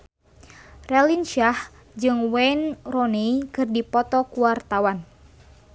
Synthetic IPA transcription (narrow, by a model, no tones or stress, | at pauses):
rɛlinʃah | d͡ʒɨŋwɛnrɔnekɨrdipɔt̪ɔkuwart̪awan